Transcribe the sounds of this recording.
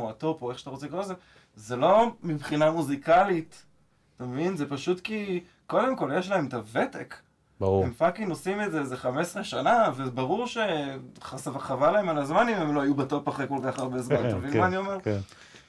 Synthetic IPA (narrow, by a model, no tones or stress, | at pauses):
oato̞poeχʃḁt̪aʁot͡sekoze | zelo̞mibχinamuzikalit̪ | tamevinzepaʃutki | ko̞de̞mko̞ljeʃlae̞mt̪ave̞tek | bemfakinosimezezeχame̞sʁeʃanavebaʁuʁʃe̞χasavaχavalaemalazmanimemloajubatopaχekolkaχaʁbezmant̪avilmanio̞meʁ